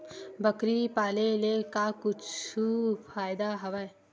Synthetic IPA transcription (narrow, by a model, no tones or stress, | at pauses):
bəkɾipaːlelekakʊt͡ʃufʰaːjd̪aɦɐʋaj